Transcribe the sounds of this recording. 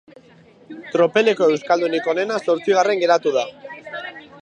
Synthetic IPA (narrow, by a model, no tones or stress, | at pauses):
t̪ɾo̞pe̞le̞ko̞e̞wskald̪uniko̞ne̞naso̞ɾt͡siɣ̞are̞ŋɡe̞ɾat̪uða